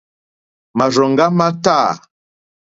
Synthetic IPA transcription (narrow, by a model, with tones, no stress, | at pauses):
ma˨ʒɔ˨ŋ˦ɡa˦ma˦ta˦˨